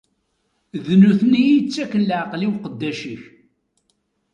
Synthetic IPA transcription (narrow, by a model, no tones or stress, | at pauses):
ðnuθənijit͡sːækːənləʕəqliwqəd̪ːæʃiç